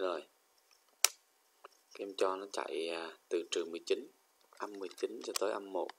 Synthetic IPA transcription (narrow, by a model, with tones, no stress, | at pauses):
zo˨˩j | kaː˨˦ʔə˧mt͡ɕɔ˧nɔ˨˦t͡ɕa̰˧˨ja˨˩t̪ɨ˨˩t͡ɕɨ˨˩mɨ˨˩əjt͡ɕi˨˦n | ʔa˧mːɨ˨˩əjt͡ɕi˨˦nt͡ɕɔ˧t̪o˨˦jʔa˧mːo˨˩t̚